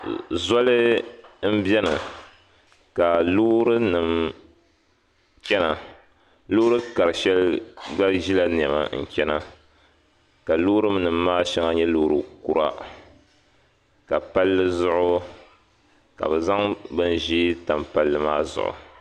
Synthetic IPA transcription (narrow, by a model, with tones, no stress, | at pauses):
za˦lɨ˦m̩˦bjɛ˦nɨ˨ | ka˨luː˦ɾɨ˦nɨ˨m | t͡ʃʲɛ˦na˨ | luː˦ɾɨ˦ka˨ɾɨ˨ʃɛ˦lɡ͡ba˦ʒi˦la˦n˨ɛ˨ma̰˨n̩˦kʲɛ˦na˨ | ka˨lu˦ɾɨ˦mnɨ˨mːaː˦ʃɛ˦ŋa˦ɲɛ˦luː˦ɾɨ˨ku˦ɾa̰˦ | ka˨pa˦lːɨ˦zʊ˦ʔʊ˦ | ka̰˨bɛ˨za˦ŋbɨ˦nʒi˦ta˨mpa˨lːɨ˦maː˦zʊ̰˨ʔʊ̰˨